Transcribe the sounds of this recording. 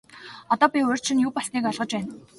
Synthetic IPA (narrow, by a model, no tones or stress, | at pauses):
ɔt̪ɔːpʲiɵr̥t͡ɕʰɪ̆njuːpɔsniːkɔɮʁə̆t͡ɕpæːn